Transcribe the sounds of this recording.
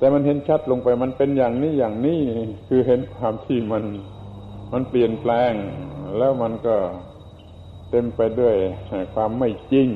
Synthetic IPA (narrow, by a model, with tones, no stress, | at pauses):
t̪ɛː˨˧˩ma˧˥nɦe˧˥nt͡ɕʰa˦˥˩t̪̚lo˧ŋpa˧jma˧˥˨npe˧njaː˨˩ŋniː˧˥˨jaː˨˩ŋniː˧˥˨kʰɯː˧ɦe˧˥˦nkʰwaː˧mt̪ʰiː˧˩ma˧˥n | ma˧˥˨npli˨˩ənplɛː˧ŋlɛː˦˥˩wma˧˥nkɔː˧˩ | t̪e˧mpa˧jdu˥˩əja˧˩kʰwaː˧mːa˥˩jt͡ɕi˧ŋ